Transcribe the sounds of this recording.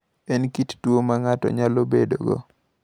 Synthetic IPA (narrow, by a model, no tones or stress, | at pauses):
ɛnkittwomaŋatɔ̰ɲalobedoɡɔ̰